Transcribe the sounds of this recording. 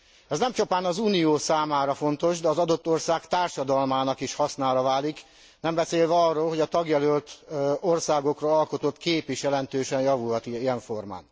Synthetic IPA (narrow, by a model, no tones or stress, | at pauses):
ɛznɛmt͡ʃopaːnɒzuːnijoːsaːmaːɾɒfo̞nt̪o̞ʃd̪ɛɒzɒd̪o̞t̪ːo̞rsaːkt̪aːrʃɒd̪ɒlmaːnɒkiʃhɒsnaːɾɒvaːlik | nɛmbɛseːlvɛɒrːoːlho̞ɟɒt̪ɒɡjɛlølt̪o̞rsaːɡo̞kroɒlko̞t̪ot̪keːpeʃjɛlɛnt̪øːʃɛnjɒvulɦɒt̪iiɛɱfo̞rma̰ːn